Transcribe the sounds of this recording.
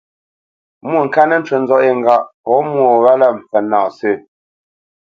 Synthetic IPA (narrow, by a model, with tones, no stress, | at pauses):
mu˦˨ŋ̩˨ka˦nə˦n̩˦t͡ʃwə˨nd͡zɔ˦ʔe˦˨ŋ̩˨ɡa˦˨ʔpɔ˨˦mwo˨ɣa˦la˦m̩˨pɛ˨naː˨sɨ˦˨